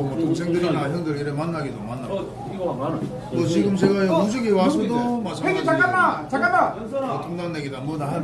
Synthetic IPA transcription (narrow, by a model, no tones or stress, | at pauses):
makoŋsʰe̞ŋdɯɾinaɦjʌŋdɯɭiɾemanːaɡidomanːa | ʌt͡ɕiɡɯmt͡ɕeɡaemud͡ʑʰɯɡewas̬ʰʌdomat͡ɕʰaeŋit͡ɕak͈aat͡ɕak͈aa | otʰoŋdaŋneɡenamːʌda